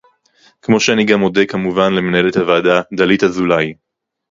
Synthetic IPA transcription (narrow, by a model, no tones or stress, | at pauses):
kmo̞ʃeaniɡamo̞dekamuvanlemenae̞let̪havaːdad̪alithazulaj